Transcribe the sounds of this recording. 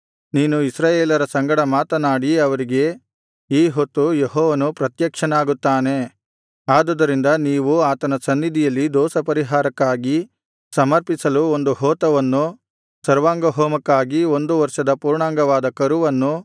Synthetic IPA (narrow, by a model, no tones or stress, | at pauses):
niːnuisɾaːjeːlɐɾɐsɐŋɡɐɽɐmaːt̪ɐnaːɽiɐʋɐɾiɡe̞ | iːɦot̪ːujeɦɔːʋɐnupɾɐt̪jɐkʂɐnaːɡut̪ːaːne̞ | aːd̪ɐd̪ɐɾind̪ɐniːʋuaːt̪ɐnɐsɐnːid̪ijɐlːid̪ɔːsɐpɐɾiɦaːɾɐkːaːɡi | sɐmɐɾpisɐluond̪uɦɔːt̪ɐʋɐnːu | sɐɾʋaːŋɡɐɦoːmɐkːaːɡio̞nd̪uʋɐɾʂɐd̪ɐpuːɾɳaːŋɡɐʋaːd̪ɐkɐɾuʋɐnːu